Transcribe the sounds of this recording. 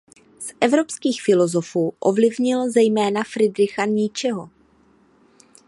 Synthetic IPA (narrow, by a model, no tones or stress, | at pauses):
sʔɛvɾo̞pskiːxfɪlo̞zo̞fuːʔo̞vlɪvɲɪlzɛjmɛːnafɾɪdɾɪxaɲɪt͡ʃɛɦo̞